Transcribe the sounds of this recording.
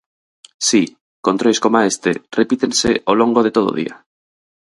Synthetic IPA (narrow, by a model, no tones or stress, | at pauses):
si | kont̪ɾojskomaest̪ḛrepit̪ensḛʔolõŋɡoð̞et̪oð̞o̰ðḭa